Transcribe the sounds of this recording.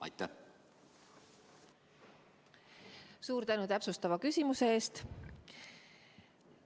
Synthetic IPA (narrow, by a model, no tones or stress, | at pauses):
ɑ̰jt̪ːˑæ | suːɾt̪ænut̪æpsust̪ɑvɑkysʲimuse̞eːst̪